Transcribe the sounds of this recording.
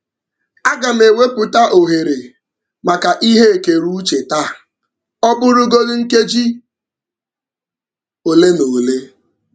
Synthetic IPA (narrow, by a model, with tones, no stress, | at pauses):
a˦ɡa˨m̩˦e˨we˦pʊ˨ta˦ʔo˨ɦe˨ɾe˨ | ma˨ka˨ʔi˦ɦe˦e˨ke˨ɾu˦t͡ʃe˨ta˦ | ɔ˦bʊ˦ɾʊ˦ɡo˦dʊ˦ŋ̩˦ke˦d͡ʒi˦ | o˨le˦no˨le˦